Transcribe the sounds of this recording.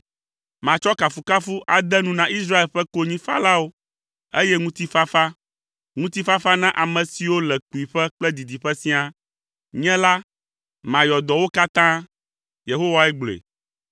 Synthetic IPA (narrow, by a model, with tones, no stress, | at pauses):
mã˨t͡ʃɔ˦ka˨fu˨ka˦fu˦ʔa˨d̪ɛ˦nũ˦nã˨i˦s̬ɾa˦e˨lɸɛ˦ko˦ɲĩ˦fa̰˦la˦wo˦ | e˦jɛ˦ŋũ˦t̪i˦fa˦fa˦ | ŋũ˦t̪i˦fa˦fa˦nã˦ʔa˨mɛ̃˨si˨wo˦lɛ˨k͡pu˨i˨ɸɛ˦k͡plɛ˦d̪i˨d̪i˨ɸɛ˦sĩ˦a˨ | ɲɛ̃˦la˦ | mã˨jɔ˨d̪ɔ˨wo˦ka˦t̪ã˦ | je˨ɦo˦wa˦ɛ˦ɡ͡blḛ˨